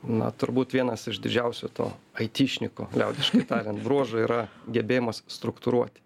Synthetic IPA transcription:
nɐ̰t̪ʊɾbuːt̪ʋʲiɛnɐsɪʃd̪ʲɪd͡ʒʲɛʊsʲʊt̪o̰ːɐɪt̪ʲiːʃʲnʲɪko̰ːlʲɛʊd̪ʲɪʃkɐɪt̪ɑːlʲɛnbɾuɔʒoiːɾɐɡʲɛbʲeːjɛmoːsst̪ɾʊkt̪ʊɾuɔt̪ʲ

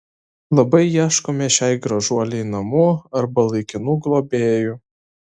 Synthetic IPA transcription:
lˠɐbɐɪjæʃkomʲɛʃʲɛɪɡɾɐʒuɔlʲɛjnɐmuɐɾbɐlˠɐɪkʲɪnuːɡlˠoːbʲeːjʊ

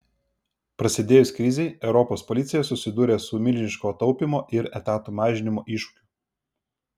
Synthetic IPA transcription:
pɾɐsʲɪd̪ʲeːjʊsʲkɾʲɪzʲɛɪɛʊɾɔpoːspɔlʲɪt̪sʲɪjɛsʊsʲɪd̪uːɾʲeːsʊmʲɪlʲʒʲɪʃkoːt̪ɒʊpʲɪmoːʔɪɾɛt̪ɑːt̪uːmɑːʒʲɪnʲɪmoːʔiːˑʃʊ̥kʲʊ̥

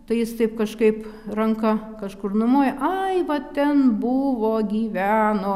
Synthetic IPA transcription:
t̪ɐɪjɪst̪ɐɪpkɐʃkɐɪprɐŋkɐ | kɐʃkʊrnʊmoːjɛʔɐɪʋɐt̪ʲɛnbʊʋoːɡʲiːʋʲæːnoː

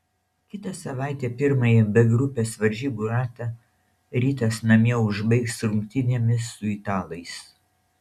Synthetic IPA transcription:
kʲɪt̪ɐsɐʋɑˑɪt̪ʲeːpʲɪɾmɐjɛbʲɛɡɾʊpʲeːsʋɐɾʲʒʲiːbuːɾɑːt̪ɐ | ɾʲiːt̪ɐsnɐmʲiɛʊʒbɐɪksɾʊŋʲk̚ʲt̪ʲɪnʲeɛmʲɪsːʊɪt̪ɑːlˠɐɪs

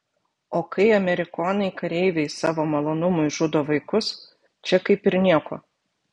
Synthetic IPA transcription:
oːkɐɪɐmʲɛɾʲɪkoːnɐɪkɐɾʲɛɪʋʲɛɪsɑːʋoːmɐlˠoːnʊmʊɪʒʊd̪oːʋɐɪkʊs | t͡ʃʲɛkɐɪpɪɾnʲiɛko̰ː

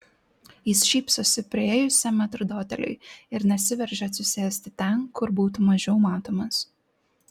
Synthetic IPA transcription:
jɪsʃʲiːpsʊsʲɪpʲɾʲeːjʊsʲɛmʲɛt̪ɾʊd̪oːt̪ʲɛ̰lʲʊ̰ɪɪɾnʲɛsʲɪʋʲɛɾʲʒʲɛɐt̪sʲʊsʲeːsʲt̪ʲɪt̪ʲɛnkʰʊɾbuːt̪umɐʒʲɛʊmɑːt̪oːmɐs

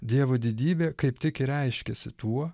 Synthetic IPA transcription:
d̪ʲiɛʋoːd̪ʲid̪ʲiːbʲeːkɐɪpt̪ʲɪkɪɾʲɛɪʃʲkʲɛsʲɪt̪uɔ

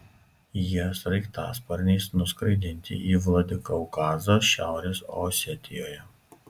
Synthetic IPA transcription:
jisɾɐɪkt̪ɑ̰ːspɐɾʲnʲɛːsnʊskɾɐɪd̪ʲɪnʲt̪ʲɪ̰ʔiːʋlˠɐd̪ʲɪkɐʊkɑːzoːʃʲæˑʊɾʲeːsɔ̰ːsʲɛt̪ʲɪjoːjɛ

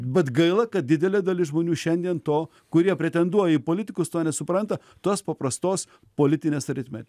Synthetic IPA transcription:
bʲɛt̪ɡɐɪlˠɐkɐt̪̚d̪ʲɪd̪ʲɛlʲeːd̪ɐlʲɪʒmoːnʲuːʃʲɛnʲd̪ʲiɛnt̪oː | kʊɾʲiɛpʲɾʲɛt̪ʲɛnd̪uɔjɛiːpoːlʲɪt̪ʲɪkʊst̪oːnʲɛsʊpɾɐnt̪ɐ | t̪oɔspɐpɾɐst̪oːs | poːlʲɪt̪ʲɪnʲeːsɾʲɪt̪ʲmʲḛː

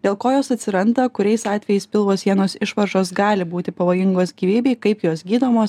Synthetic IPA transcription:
d̪ʲeːlˠkoːjoːsɐt̪ʲsʲɪɾɐnd̪ɐkʊɾʲɛɪsɑːt̪ʲʋʲɛjɛɪspʲɪlˠʋoːsjʲiɛnoːsɪʃʋɐɾʒoːs̬ɡɑːlʲɪbuːt̪ʲɪpɐʋoːjɪŋɡoːsɡʲiːʋʲiːbʲɛɪkɐɪpjoːsɡʲiːd̪oːmoːs

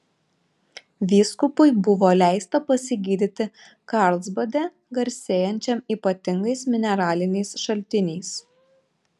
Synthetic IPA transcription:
ʋʲiːskʊpʊɪbʊʋoːlʲæˑɪst̪ɐpɐsʲɪɡʲiːd̪ʲɪt̪ʲɪ | kɑˑɾlˠzbɐd̪ʲɛ | ɡɐɾʲsʲeːjɛnʲt͡ʃʲɛmiːpɐt̪ʲɪŋɡɐɪsmʲɪnʲɛɾɑːlʲɪnʲɛɪsʃɐlʲt̪ʲɪnʲɛɪs

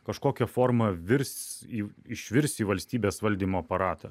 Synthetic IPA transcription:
kɐʃkoːkʲɛfoːɾmɐʋʲɪɾsiːɪʃʲʋʲɪɾʲsʲiːʋɐlʲsʲt̪ʲiːbʲeːsʋɐlʲd̪ʲiːmoːɐpɐɾɑːt̪ɐ

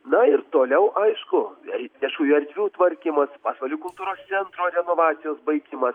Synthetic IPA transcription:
nɐɪɾt̪oːlʲɛʊʔɐɪʃkʊɛɪʋʲiɛʃkuːjuɐɾʲd̪ʲʋʲuːt̪ʋɐɾʲkʲimɐspɑːsʋɐlʲuːkʊlˠt̪uːɾoːst̪sʲɛnt̪ɾoːɾʲɛnoːʋɑːt̪sʲɪjoːsbɐɪkʲiːmɐs

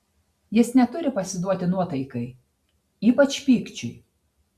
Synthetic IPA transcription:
jɪsnʲɛt̪ʊɾʲɪpɐsʲɪd̪uɔt̪ʲɪnuɔt̪ɐɪkɐɪ | iːpɐt͡ʃʲpʲiːkt͡ʃʲʊɪ

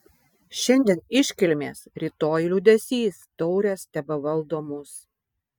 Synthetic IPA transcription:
ʃʲɛnʲd̪ʲenɪʃʲkʲɪlʲmʲeːsɾʲiːt̪oːjlʲud̪ʲɛsʲiːst̪ɔʊɾʲɛːst̪ʲɛbɐʋɐlˠd̪oːmʊs

